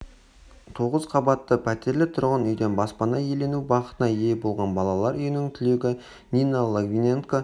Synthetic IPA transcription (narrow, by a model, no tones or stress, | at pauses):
t̪ʰo̞ʁəz̥qʰɑbɑt̪ːəpʰæt̪e̞ɾlɪt̪ʰʊɾʁənʏjd̪e̞nbɑspɑnɑje̞le̞nubɑqə̥t̪ənɑje̞bo̞lˠʁɑnbɑlˠɑlˠɑɾʏjɪnɪŋt̪ʰʏle̞ɡʲɪ | nʲinalˠoɡvʲinʲenko